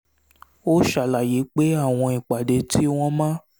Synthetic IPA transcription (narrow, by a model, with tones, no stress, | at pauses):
o˦ʃa˨la˨je˨˦k͡pe˦a˦˨w̃ɔ̃˧i˨k͡pa˨de˧ti˦w̃ɔ̃˧mã˦